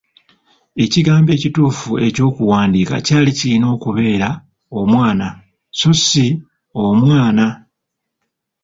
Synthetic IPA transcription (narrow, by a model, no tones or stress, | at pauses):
e̞ciɡaːmbe̞ːcituːfue̞co̞ːkuwaːndiːka̰caːlicilino̞ːkuβe̞ːɾa | omwaːna | sosi | omwaːna